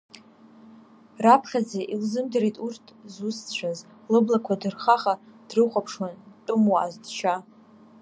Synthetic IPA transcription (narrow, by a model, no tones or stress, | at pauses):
rapʰχʲad͡zaʔilzɨmdaɾejtʼurtʰzust͡ɕʷʰaz | lɨblakʷʰadɨrχaχad̥rɨχʷʼapʰʂwantʼʊmwaa̰zdt͡ʃʰa